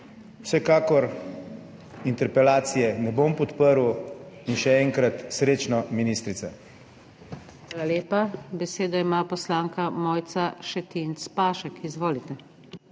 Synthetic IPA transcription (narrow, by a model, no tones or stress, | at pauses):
w̥sɛkaːkɔɾ | int̪ɛɾpɛlaːt̪sijɛnɛbompɔt̪pəɾwinʃɛɛŋkɾat̪sɾeːt͡ʃnɔminist̪ɾit̪sa | xʋaːlaleːpabɛseːd̪ɔimapɔslaːŋkamɔːjt̪saʃɛt̪int̪spaːʃɛkʰizʋoːlit̪ɛ